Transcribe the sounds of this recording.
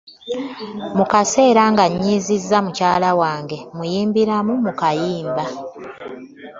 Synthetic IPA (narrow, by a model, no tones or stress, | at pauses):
mukase̞ːɾaŋɡaɲːiːzizːamucaːlawaːŋɡe̞mujiːmbiɾamumukajiːmba